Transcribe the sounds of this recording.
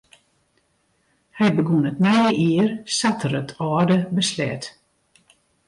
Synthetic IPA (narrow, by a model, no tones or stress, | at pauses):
hɛjbəɡunətnɛjəʔiərsatʰərətʰɔːrdəbəslɛ̰t